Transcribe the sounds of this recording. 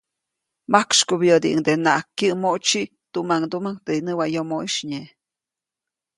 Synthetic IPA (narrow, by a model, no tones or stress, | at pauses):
makʃkubjəd̪iʔɨ̰ŋd̪enaʔakːəʔmoʔt͡ʃiʔ | t̪umaŋd̪umaŋt̪einəwajomoʔiʃɲe